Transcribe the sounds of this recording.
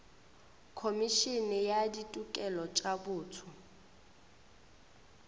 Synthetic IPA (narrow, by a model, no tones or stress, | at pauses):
kʰomiʃinijaditʼukʼɛlɔt͡ʃʼabuːtʰʊ